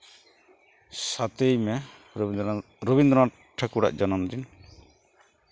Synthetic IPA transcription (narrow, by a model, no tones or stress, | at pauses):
sat̪ejmɛ | ɾɔbind̪ɾa | ʈʰəkuɽa̰ʔd͡ʒɔnɔmd̪in